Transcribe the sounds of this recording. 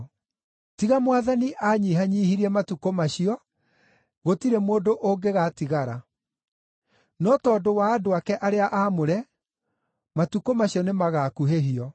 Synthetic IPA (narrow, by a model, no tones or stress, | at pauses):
tiɣamwaðaniʔaːɲiːɦaɲiːhiɾiɛmatukomaɕiɔ | ɣotiɾemoːdoʔoŋɡeɣatiɣaɾa | nɔtɔːdowaːdoakɛʔaɾeaʔaːmoɾɛ | matukomaɕiɔnemaɣakuɦeɦiɔ